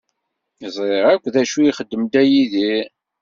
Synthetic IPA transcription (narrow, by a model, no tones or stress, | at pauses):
izˤɾeʁækʷːðæʃujiχəd̪ːəmd̪æjiði